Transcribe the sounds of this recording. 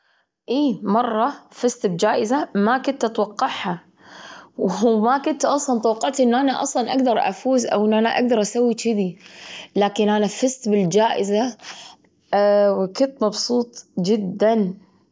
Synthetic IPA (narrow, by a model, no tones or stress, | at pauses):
ʔiːmɑrˤːɑfɪst̪bd͡ʒaːʔɪzamakʊnt̪ʔat̪wɑqːɑʕha | wmakʊnt̪ʔɑsˤlɑnt̪wɑqːɑʕt̪ʔɪnːʔanaʔɑ̰sˤlɑnʔaɡd̪ɑɾˤʔa̰fuːzʔa̰wʔɪnːʔanaʔa̰ɡd̪ɑɾˤʔasawːit͡ʃɪd̪ilaːkɪnʔanafɪst̪bɪld͡ʒaːʔɪza | wkɪnt̪mɑbsˤuːt̪ˤd͡ʒɪd̪ːan